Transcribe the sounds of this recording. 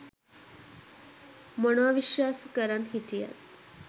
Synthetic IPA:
monoaʋiʃʋaːskəɾanɦiʈija̰t̪

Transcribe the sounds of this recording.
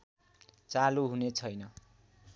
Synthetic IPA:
t͡saluɦunet͡sʰʌjnʌ

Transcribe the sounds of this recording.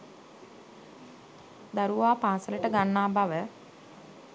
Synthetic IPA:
d̪aɾuʋaːpaːsələʈəɡanːaːbaʋə

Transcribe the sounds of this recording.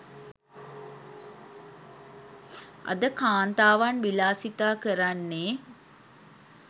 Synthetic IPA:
ɐ̰d̪əkaːnt̪aːʋanʋilaːsit̪aːkəɾanːe

